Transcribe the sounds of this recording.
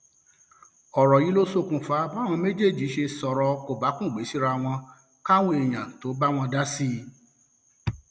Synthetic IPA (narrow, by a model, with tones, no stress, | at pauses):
ɔ˨ɾɔ˨ji˨˦lo˦so˦˨kũ˨˧fa˨˦ba˦w̃ɔ̃˧me˦d͡ʒe˦˨d͡ʒi˨˦ʃe˧sɔ˨ɾɔ˧ko˨ba˨˦kũ˦˨ɡ͡be˨˦si˦ɾa˧w̃ɔ̃˧ | ka˦w̃õ˦e˨j̃ã˨to˨˦ba˦w̃ɔ̃˧da˦si˦